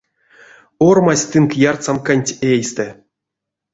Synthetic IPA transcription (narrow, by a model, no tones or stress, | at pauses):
ormasʲt̪ɨŋkjart̪samkanʲtʲejst̪ɛ